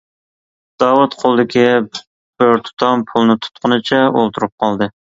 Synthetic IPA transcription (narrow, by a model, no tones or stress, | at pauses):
d̪̥ɑːwut̪qʰolˠd̪ɪkʲi | b̥øɾt̪ʰu̥t̪ʰɑmpʰulˠnɨt̪ʰu̥t̪qʰʊnɨt͡ʃʰɛolˠt̪ʰuɾup̚qʰɑlˠd̪ɨ